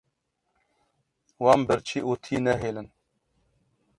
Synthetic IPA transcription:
wɑːmbəɾt͡ʃʰiʔot̪ʰiːnɛɦeːlɨn

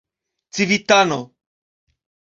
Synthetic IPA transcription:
t͡sivit̪ano

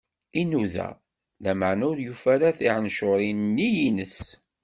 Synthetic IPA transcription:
inuðæ̰ | læməʕnæʊɾjufæɾaθiʕənʃʊɾˤinnːijinəs

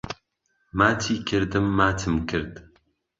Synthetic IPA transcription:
maːt̪ʰiːkʰɨɾd̪ɨmːaːt̪ʰɨmkʰɨɾd̪

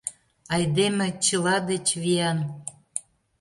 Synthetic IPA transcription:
ɑjd̪emet͡ɕəlɑd̪et͡ɕβiɑn

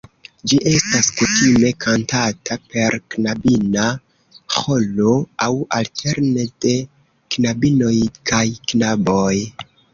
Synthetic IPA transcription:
d͡ʒiʔe̞staskutime̞kʰantatʰape̞ɾknabina | xo̞lo̞awaltʰe̞ɾne̞d̥e̞ | knabino̞jkʰajknabo̞j

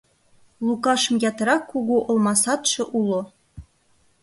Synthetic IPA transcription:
lˠukɑʃɤ̆mjɑt̪ɤ̆ɾɑkːuɣuʔŏlˠmɑsɑt̪ʃɤ̆ʔulˠo

